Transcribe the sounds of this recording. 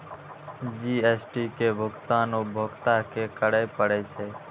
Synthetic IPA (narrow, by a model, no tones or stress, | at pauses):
d͡ʒiesʈikebʱʊɡt̪anobʱokt̪akekəɽəjpəɽɛt͡ʃʰɛ